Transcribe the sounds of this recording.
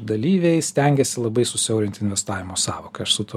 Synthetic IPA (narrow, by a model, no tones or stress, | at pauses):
d̪ɐlʲiːʋʲeɪsʲt̪ʲɛŋʲɡʲɛsʲɪlˠɐbɐɪsʊsʲɛʊɾʲɪnt̪ʲɪnʲʋʲɛst̪ɑːʋʲɪmoːsɑːʋoːkɐɐʃsʊt̪o